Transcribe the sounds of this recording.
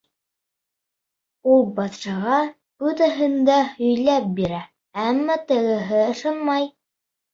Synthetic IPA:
ulˠbɑt̪ʃɑʁɑ | ʉt̪æɦɤ̆nd̪æhɵ̆jlæp̚biɾæ | æmːæt̪ɤ̆ɣɤ̆ɦɘɤ̆ʃɤnmɑj

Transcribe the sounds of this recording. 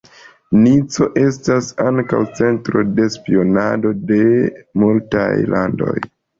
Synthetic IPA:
nit͡so̞ʔe̞stasaŋka̰wt͡se̞ntɾo̞de̞spio̞nado̞de̞multa̰jlʔa̰ndo̞̰j

